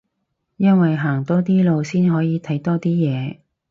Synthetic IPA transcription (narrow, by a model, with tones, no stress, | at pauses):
jɐ˥nwɐ˨jɦaː˨˩ŋt̪ɔː˥t̪̬iː˥lo˨˧wsiː˥nɦɔː˨˥jiː˨˧˥t̪ʰɐ˨˥jt̪ɔː˥t̪iː˥jɛː˨˧